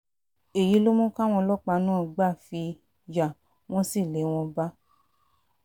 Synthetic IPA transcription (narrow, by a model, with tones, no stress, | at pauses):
e˨ji˨˦lo˦mũ˦kã˦w̃ɔ̃˧lɔ˦k͡pa˧nũ˦˧ɡ͡ba˦˨fi˧ | ja˨ | w̃ɔ̃˦si˦˨le˨˦w̃ɔ̃˧ba˦